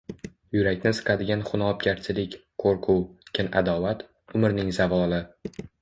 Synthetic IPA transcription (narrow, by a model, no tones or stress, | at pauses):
jʊɾakʲnɪsɨ̥qʰɑd̪ɪɡʲanχʊnɒp̚kʲaɾt͡ʃʰɪlɪkʲqʰoɾqʰʊwkʲʰɪna̰d̪ɒvat̪ | ʊmɪɾnɪŋzavɒlɪ